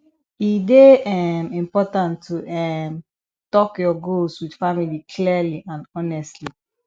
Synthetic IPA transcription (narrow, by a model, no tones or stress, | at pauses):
ideɛmĩmpɔtãntʰːuɛm | tɔkjɔɡolswid̥familikʰliliʔãndɔnɛstli